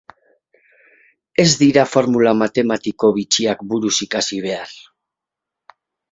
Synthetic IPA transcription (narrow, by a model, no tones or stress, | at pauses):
e̞zd̪iɾafo̞ɾmulamat̪e̞mat̪iko̞βit͡ʃiakbuɾusikasiβe̞ar